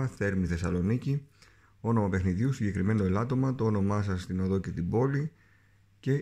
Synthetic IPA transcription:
θe̞ɾmiθe̞sɐlo̞nici | o̞no̞mɐpe̞xniðiusiɟe̞kɾime̞no̞elɐt̪o̞mɐt̪oono̞mɐsɐst̪ino̞ðo̞ce̞t̪ibo̞li | ce̞

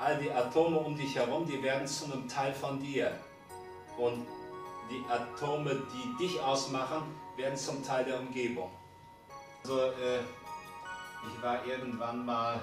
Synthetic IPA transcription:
ʔalədiːʔatʰoːməʊmdɪçhɛʁʊmdiːveːɐdn̩t͡sunəmtʰaɪlfɔndiːɐ | ʔʊntd̥iːʔatʰoːmədiːdɪçʔaʊsmaχən̩veːɐdn̩t͡sʊmtʰaɪldeːɐʊmɡeːbʊŋ | ʔazoʔɛː | ʔɪçv̥aːɐʔɪɐɡn̩tv̥anmaːl

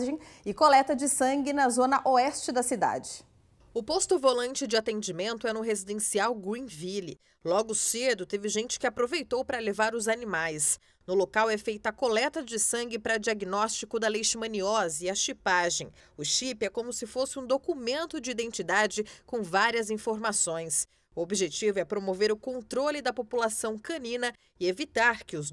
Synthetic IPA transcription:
ʒẽj̃ɪkolɛt̪ɐd͡ʒɪsɐ̃ŋɡɪnɐzõnɐʔoɛst͡ʃɪd̪ɐsid̪a̰d͡ʒɪ | ʊpost̪ʊvolɐ̃nt͡ʃɪd͡ʒɪat̪ẽnd͡ʒimẽnt̪ʊɛnʊɦezid̪ẽsiawɡuĩvilɪ | lɔɡʊsed̪ʊt̪evɪʒẽnt͡ʃɪ̥kɪapɾovejt̪owpɾɐlevaɾʊzanimajs | nʊlokawɛfejt̪ɐkolɛt̪ɐd͡ʒɪsɐ̃ŋɡɪpɾɐd͡ʒiaɡinɔst͡ʃikʊd̪ɐlejʃɪmɐ̃niɔziɐʃipaʒẽj̃ | ʊʃipɛkõmʊsɪfosɪũd̪okumẽnt̪ʊd͡ʒɪid̪ẽnt͡ʃid̪ad͡ʒɪkõw̃vaɾiɐzĩfoɾmasõj̃s | uobiʒet͡ʃivʊɛpɾomoveɾʊkõnt̪ɾolɪd̪ɐpopulasɐ̃w̃kɐ̃nĩnɐ | ɪevit̪aɾkɪʊz

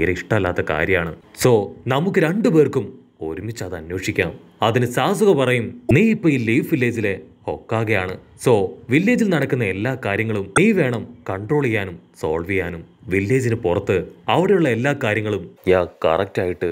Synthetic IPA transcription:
ɾɐiʂʈɐmɐlːaːt̪ːɐka̰ːɾjɐjaːɳɨ̰so̞ːnɐmukːɨɾeɳɖɨpe̞ːrkum | o̞ɾumit͡ɕːaðɨɐnweːʂikʲːaːm | ɐðinɨsaːsuɣɐpɐrɐjumniːipːoːilːifʋilːeːd͡ʑile̞ | o̞kːaːɣɐjaːɳɨ | so̞ːʋilːeːd͡ʑilnɐɽɐkːunːɐe̞lːaːkaːɾjɐŋːɐɭumniːʋe̞ːɳɐmkɐɳɖro̞ːɭijaːnumso̰ːɭʋijaːnumʋilːeːd͡ʑinɨpurɐt̪ːɨɐʋiɽe̞juɭːɐe̞lːaːkaːɾjɐŋːɐɭumɲaːkɐ̰rɐk̚taːjiʈːɨ

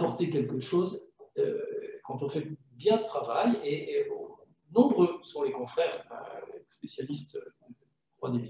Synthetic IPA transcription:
pɔʁt̪ekʲɛlkəʃozø̰kɑ̃t̪̬ɔ̃fɛ | bjɛ̃d̪ət̪χavaje | nɔ̃bʁøsɔ̃lekɔ̃fχɛːʁə̰spesjalist̪ø | t̪wad̪evi

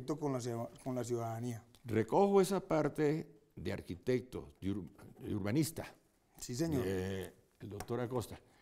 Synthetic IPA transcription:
t̪okonlas̬konlas̬juðaðaniarekoxoesapaɾt̪e | ðea̰ɾkit̪ek̚t̪o̰duɾḛuɾβanist̪a | sis̬eɲoɾ | eld̪ok̚t̪oɾakost̪ḁ

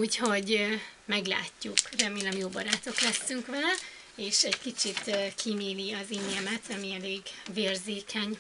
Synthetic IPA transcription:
uːcho̞ɟmɛɡla̰ːcːukrɛmeːlɛmjoːbɒɾaːt̪o̞klɛsːyŋkʋɛl | eːʃɛɟkit͡ʃit̪kʰimeːliɒziɲɛmɛt̪ʰɒmiɛleːɡveːrzeːkʰɛɲ

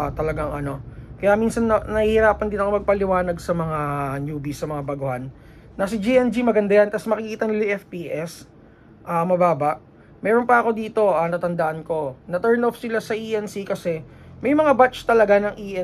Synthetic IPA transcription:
t̪ɐlɐɡaŋʔɐno̞kɐjaminsɐnɐnɐhihɪɾaːpɐnd̪ɪnɐkomɐɡ̚pɐlɪwaːnɐɡsɐmɐŋanjuːbisɐmɐŋabɐɡʊhanː | ɐsɪd͡ʒiʔɛnd͡ʒimɐɡɐnd̪ajant̪ɐsmɐkɪkiːt̪ɐnɪliʔɛfpiːʔɛs | ʔaːmɐbaːbɐʔ | mɛːɾonpɐɐko̞d̪iːt̪o̞ʔaːnɐt̪ɐnd̪ɐʔɐnko̞nɐt̪ɛɹnofsɪlasɐʔiʔɛnsikɐsɛ | mɐjmɐŋabat͡ʃt̪ɐlɐɡanɐŋʔiʔɛ

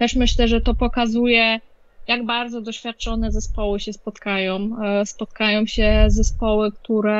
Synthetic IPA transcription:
t̪ɛʂmɘɕlɛʐɛt̪ɔpɔkazujɛ | jaɡbaɾd̪zɔd̪ɔɕfʲjat̪̚t͡ʂɔnɛzɛspɔwɘɕɛspɔt̪kajɔ̃wspɔt̪̚kajɔ̃w̃ɕɛzɛspɔwɘkt̪uɾɛ

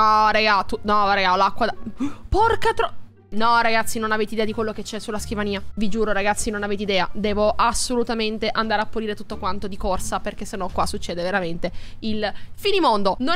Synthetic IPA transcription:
ɔɾeɡat̪unɔɾeɡalakːwaaporkat̪ɾ | nɔɾaɡat̪sːinonaveːt̪eid̪ɛːad̪ikwelːoket͡ʃːɛsːulːaskivaniːavid͡ʒuːɾoɾaɡat̪sːinonaveːt̪eid̪ɛːad̪ɛːvoʔasolut̪ament̪eʔand̪aːɾeapːuɾiːɾet̪ut̪ːokwant̪od̪ikorsaperkesːenːɔkːwasːut͡ʃːeːd̪eveɾament̪e | ilfinimond̪ono

